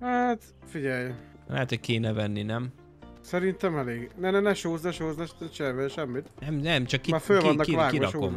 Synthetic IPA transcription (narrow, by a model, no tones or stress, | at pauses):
hat̪ | fiɟɛj | lɛ̰ɦɛt̪hoc̚keːnɛvɛnːinɛm | sɛɾint̪ɛmɛleːɡnɛnɛnɛʃoːznɛʃoːznɛʃt̪ɛt͡ʃɛɾvɛʃɛmːit̪nɛmnɛmt͡ʃɒkːimaːfølvɒnːɒkkʋaːɡioɾɒʃokːo̰m